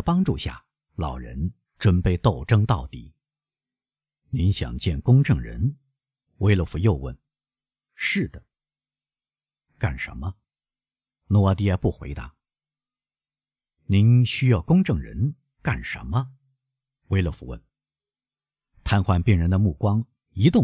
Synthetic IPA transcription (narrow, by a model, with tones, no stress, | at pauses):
pɑ˥ŋʈ͡ʂu˥˧ɕja̰˥˩ | lɑ˨˩ʊɻə̰˧˥n | ʈ͡ʂwə˥npe˥˧ɪt̪o˥˩ʊʈ͡ʂɤ˥ŋt̪ɑ˥˩ʊt̪ḭ˨˩˦ | ni˧˥nɕjɑ̰˨˩ŋt͡ɕjɛ˥˩nkʊ˥ŋʈ͡ʂɤ˥˩ŋɻə̰˧˥n | we˥ɪlə˧˩fu˧˥jo˥˧ʊwə̰˥˩n | ʂɻ̩˥˩d̪ə˩ | ka˥˩nʂə̰˧˥nmə˧ | nɔ˧˥wa˧˥˩t̪i˧˥ja˥˧˥pu˥˩xwḛ˧˥ɪt̪a˧˥ | ni˧˥nɕy˥jɑ˥˧ʊkʊ˥ŋʈ͡ʂɤ˥˩ŋɻə̰˧˥n | ka˥˩nʂə̰˧˥nmə˧ | we˥ɪlə˧˩fu˧˩wə̰˥˩n | t̪ʰa˥nxwa˥˧npi˥˩ŋɻə˧˥nd̪ə˧mu˥˩kwɑ˥ŋ | i˧˥t̪ʊ˥˨